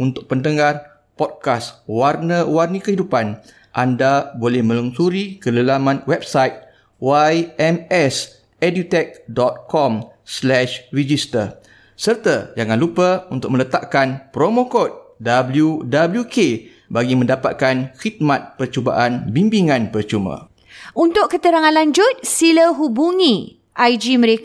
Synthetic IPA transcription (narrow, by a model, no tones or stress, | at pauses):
unt̪ʊk̚pəndəŋar | pɔd̚kaswarnəwarnəkəɦidupan | ʔandabolɛhmə̃luŋsuɾikələlamãnwɛb̚sajt̪̚ | wajɛmɛs | ɛdit̪ɛk̚dɔt̪̚kɔm | slɛʃrid͡ʒist̪ər | sərt̪əd͡ʒaŋãnlupəunt̪ʊk̚mə̃lət̪aʔkanpɾomõkɔt̪̚dabljudabəljukʰe | baɡimə̃ndapa̰t̪̚kanxit̪̚mãt̪̚pərt͡ʃuba̰ʔanbimbiŋãnpərt͡ʃumã̰ | unt̪ʊkkːət̪əɾaŋãnlaɲd͡ʒʊt̪̚siləɦubuŋĩ | ʔajd͡ʒimə̃ɾek